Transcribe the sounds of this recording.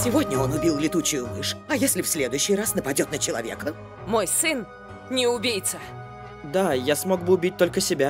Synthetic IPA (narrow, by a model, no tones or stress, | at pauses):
sʲɪvo̞dʲnʲəo̞nʊbʲilˠlʲɪt̪ut͡ɕʊjʊmɨʂɐjesʲlʲɪfsʲlʲed̪ʊjʊɕːɪjrasnəpɐdʲo̞t̪nət͡ɕɪlˠɐ̰vʲḛkə | mo̞jsɨn | nʲɪʊbʲijt̪sə | d̪ajasmo̞ɡbɨʊbʲit̚ʲt̪o̞lʲkəsʲɪbʲa